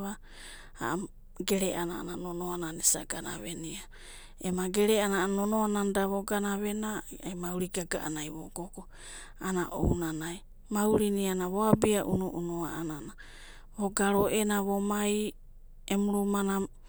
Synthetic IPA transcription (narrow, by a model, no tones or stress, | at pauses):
βa | ha̰ | ɡeɾeʔanaa̰nanonoananesa̰ɡana̰βenia | emaɡeɾeananonoanandaβoɡanaβenaajmawɾiɡaɡa̰ʔa̰najβoɡoko | anaʔo̰wnanaj | mawɾinianaβoabiaʔṵnuʔunoa̰ʔanana | βoɡaɾoʔenaβomaj | emuɾumana